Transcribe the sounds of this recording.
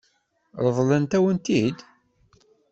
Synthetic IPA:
ɾˤəðˤlənt̪æwənt̪id̪

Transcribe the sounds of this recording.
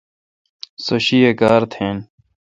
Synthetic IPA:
sɐɕiːekaːɾt̪ʰeːn

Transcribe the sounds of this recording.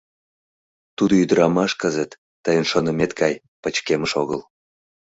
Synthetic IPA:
t̪ud̪oyd̪əɾɑmɑʃkəzət̪ːəjənʃonəmet̪ɡɑj | pət͡ɕkeməʃoɣəl

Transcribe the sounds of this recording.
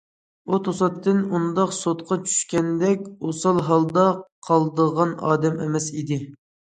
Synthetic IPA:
ut̪ʰosɑt̪ːɪnund̪ɑqsot̪̚qʰɑt͡ʃʰy̥ʃkʲɛnd̪ɛkʲosɑlˠɦɑlˠd̪ɑqʰɑlˠd̪əʁɑnɑ̰ːd̪ɛmḛmɛsid̪ɪ

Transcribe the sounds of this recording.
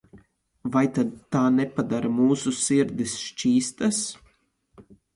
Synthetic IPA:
vajt̪ad̪̚t̪aːnepad̪aɾamuːsusiɾd̪isʃt͡ʃiːst̪as

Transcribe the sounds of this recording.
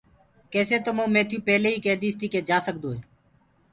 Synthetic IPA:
keːseːt̪oːmõːmẽːt̪ʰjuːpeːleːɦiːkeːd̪iːst̪iːkeːd͡ʒaːsək̚d̪oːɦeː

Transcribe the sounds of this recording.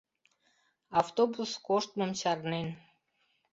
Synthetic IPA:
aft̪obuskoʃt̪̚momt͡ɕɑɾnen

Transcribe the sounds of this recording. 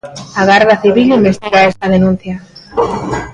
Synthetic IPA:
aɣaɾðaθiβilimbest̪iɣaest̪að̞enũn̟θja

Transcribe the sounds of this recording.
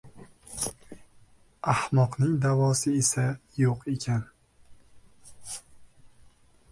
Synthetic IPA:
ahmɒqnɪŋd̪avɒsɪesajoqe̞kʲʰan

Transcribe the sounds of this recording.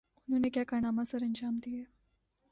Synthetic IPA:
ununekjakaɳamasəɾənd͡ʑaːmd̪ije

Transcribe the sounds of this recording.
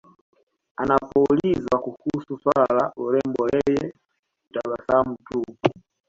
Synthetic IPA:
anapɔlizwakuhususwalauɾɛmbɔlɛjɛ | taβasamutupu

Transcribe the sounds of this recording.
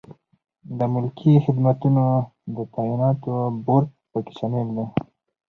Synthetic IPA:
d̪əmʊlkʰixɪd̪mat̪unod̪ət̪ainɑt̪oboɾ | pəke̥ʃamebd̪e

